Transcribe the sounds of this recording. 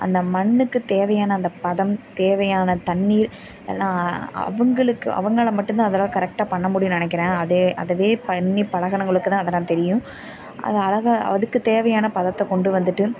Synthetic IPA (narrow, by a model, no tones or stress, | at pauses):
ʔɐ̰nd̪ɐmɐnːɯkːɯt̪eːʋɐjaːnɐːnd̪ɐpɐðɐmt̪eːʋɐjaːnɐt̪ɐɳːiːɾ | ḛːlːãːɐ̰ʋɐŋɡɐɭɯkːɯ̰ʔɐ̰ʋɐŋɡɐɭɐmɐʈːʊ̃nt̪ãːɐðɐloːkɐɾɛk̚ʈaːpɐɳːɐmʊɽɪjʊ̃nɪnɛkːɪɾẽːɐðɯɐðɐʋeːpɐnːipɐɭɐɣɐɳɐŋɡɐɭɯkːɯt̪ãːɐðɐlːaːt̪ɛɾɪjʊ̃ | ʔɐ̰ðɯɐlɐɣaɐ̰ðɯkːɯt̪eːʋɐjaːnɐpɐðɐt̪ːɐkɔɳɖɯʋɐnd̪ɯʈːɯ